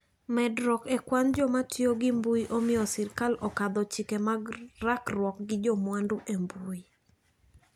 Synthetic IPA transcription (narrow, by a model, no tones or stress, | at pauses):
mɛdɾɔkekwand͡ʒɔmatjoɡɪmbuiʔomɪjɔsɪrkalɔkad̪ɔt͡ʃɪkɛmaɡrakrwɔk̚ɡɪd͡ʒɔmwanduʔembui